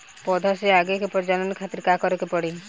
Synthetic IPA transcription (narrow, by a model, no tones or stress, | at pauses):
pɔd̪ʱaseaɡekepɔɾd͡ʒanɔnikʰat̪iɾkakɔɾɔkepɔɽi